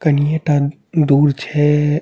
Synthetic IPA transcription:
kənijeʈa | d̪uːɾt͡ʃʰɛ

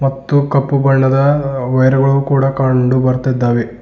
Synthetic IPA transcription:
mɐt̪ːukɐpːubɐɳːɐd̪ɐʋɐjɾɐɡɐɭukuːɽakaɳɖubɐɾt̪id̪ːaːʋe

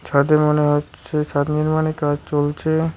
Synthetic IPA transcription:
t͡ɕʰad̪emoneɦotːʰeʃʰat̪niɾmanekad͡ʑt͡ɕolt͡ɕʰe

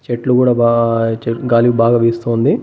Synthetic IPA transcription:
t͡ʃeʈlukuːɽaːbat͡ʃeɡaːliʋubaːɡaːʋeːst̪oːnd̪i

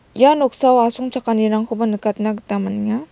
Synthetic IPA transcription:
janok̚sawasɔŋt͡ʃʰakaniɾaŋkʰubanɯkat̚naɡɯtamaniŋa

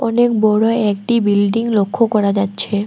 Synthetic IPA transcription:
ɔnekbɔɽoɛkʈibilɖiŋlokʰːokɔɾad͡ʑatːɕʰe

